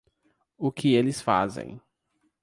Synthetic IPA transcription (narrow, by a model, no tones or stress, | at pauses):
ʊkɪelɪsfa̰zḛ̃j̃